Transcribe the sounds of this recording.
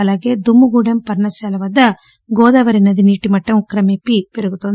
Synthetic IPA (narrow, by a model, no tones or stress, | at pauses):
ɐlɐɡed̪umːuɡuːɖɐmpɐɾɳɐsaːlɐʋɐd̪ːɐ | ɡoːd̪ɐʋɐɾinɐd̪iniːʈimɐʈːɐmukɾɐmepːipeɾuɡut̪ːond̪